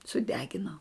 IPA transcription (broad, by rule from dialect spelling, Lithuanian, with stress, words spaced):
sʊˈdʲæːɡʲɪnoː